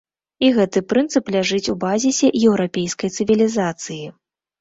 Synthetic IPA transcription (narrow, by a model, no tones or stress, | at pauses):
iɣɛt̪ɨpɾɨnt̪sɨplʲaʐɨt͡sʲubazʲisʲɛjɛwɾapʲejskɐjt̪sɨvʲilʲizat̪sɨji